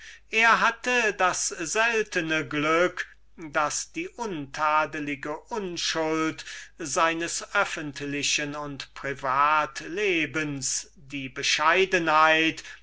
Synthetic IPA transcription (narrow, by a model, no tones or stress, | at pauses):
ʔeːɐɦatədasz̥ɛltənəɡlʏk | d̥asd̥iːʔʊntʰaːdəlɪɡəʔʊnʃʊltz̥aɪnəsʔœfəntlɪɕənʊntpʁ̥ivaːtleːbəns | d̥iːbəʃaɪdənhaɪt